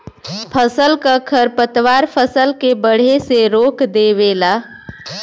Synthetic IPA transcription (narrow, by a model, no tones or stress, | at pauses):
pʰəsəlkəkʰəɾpət̪ʋaːɾpʰəsəlkebəɽ̤eseɾoːkd̪eʋeːlaː